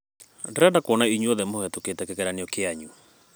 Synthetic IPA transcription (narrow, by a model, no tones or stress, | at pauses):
dɛɾandakwɔnaiɲuɔðɛmohɛtoketɛkɛkɛɾaneɔkeaɲu